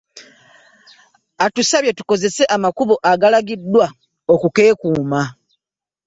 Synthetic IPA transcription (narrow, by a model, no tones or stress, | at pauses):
atusaβjetu̥ko̞ze̞se̞ʔamakuβo̞ʔaɡalaɡidːwa | okuke̞ːkuːma